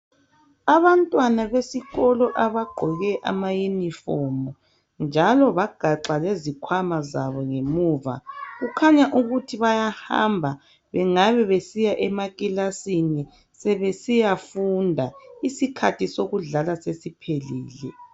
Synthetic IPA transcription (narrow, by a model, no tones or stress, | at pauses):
aβantʼwanaβesiɣɔlɔʔaβaɡ͡ǃʱɔɣɛʔa̰majunifɔmɔ | nd͡ʒʱalɔβaɡ̥ʱaǁalezikʰwamaza̰βɔŋemuːva̰ɣukʰaɲaʔuɣutʰiβajaha̰mbʱa | βɛŋaβɛβesijaʔɛmaɣʼilasini | sɛβesijafundʱaisikʰatʰisoɣuɮalasesipʰelḭːlɛ